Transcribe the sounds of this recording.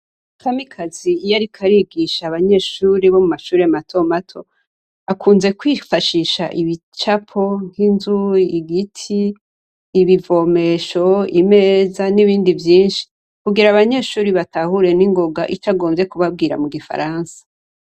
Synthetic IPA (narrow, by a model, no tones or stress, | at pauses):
kʰamikʰazijaɾikʰaɾiɡiʃaβaɲe̞ʃuːɾiβo̞mumaʃuːɾematʰo̞matʰo̞ | akʰuːnze̞kwiːfaʃiʃa̰ʔiβi | t͡ʃapʰo̞ŋ̥inzuiɡitʰiː | βivo̞me̞ːʃo̞ime̞ːzaniβiːndivjiːnʃi̥ | kuɡiɾaβaɲe̞ʃuːɾiβatahuɾe̞niŋɡoɡa̰ʔit͡ʃaɡo̞ːmbje̞kuβab̚ɡiːɾa̰muɡifa̰ɾaːnsḁ